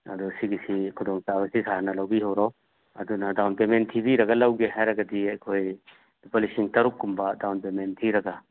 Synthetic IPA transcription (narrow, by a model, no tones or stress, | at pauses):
ɐ̰d̪usiɡisikʰud̪ɔŋsabɐsisanɐlawbiɦawɾaw | ɐ̰d̪unɐdawnpementʰibiɾɐɡalɐwɡeɦajɾɐɡɐdiɐjkʰoj | dipɔlisiŋtɐɾuk̚ːumbadawnpementʰiɾɐɡa